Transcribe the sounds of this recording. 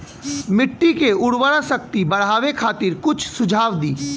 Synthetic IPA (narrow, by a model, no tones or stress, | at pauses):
mɪʈːikeʊɽwəɽasəkt̪ibɐɽ̤aːʋekʰaːt̪ɪɾkʊt͡ʃʰsʊd͡ʒʱaːʋd̪iː